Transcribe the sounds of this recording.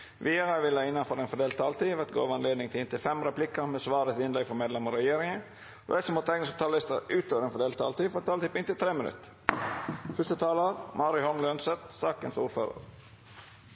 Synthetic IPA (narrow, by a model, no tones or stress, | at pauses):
ʋiːɑɾəʋɪlæɪnːɑnfɔɾɛnfɔd̪eːlt̪ʰːɑːlt̪ʰiːʋɛt̪ɡo̰ːʋɑnleːd̪nɪŋt̪ʰɪlɪnt̪ʰɪlfɛmɾɛplɪkəɾmɛsʋɑːɾət̪ɪnlɛɡfɔɾmeːd̪lɛməɾɛjeːɾɪŋə | ɛsɔmɔt̪ʰɛɪɡnəsɔt̪ʰɑːlɪst̪ə̰ɾʉːt̪ʰoːʋəɾɛnfɔd̪eːlt̪ʰɑːlt̪iːfɔɾɑt̪ʰːɑːt̪ʰiːpɪnt̪ɪlt̪ʰɾeːmɪnʉ̰t̪ | fʉst̪ət̪ʰɑːləɾmʔɑːɾʏhɔmlœnsɛt̪sɑːkə̰nsuːɾføːɾə̰ɾ